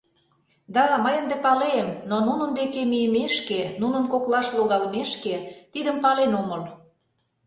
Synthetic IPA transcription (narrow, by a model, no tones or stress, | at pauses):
d̪ɑməjənd̪epɑlemnonunə̆nd̪ekemijəmeʃkenunə̆nkoklɑʃloɣɑlmeʃket̪id̪əmpɑlenomɤl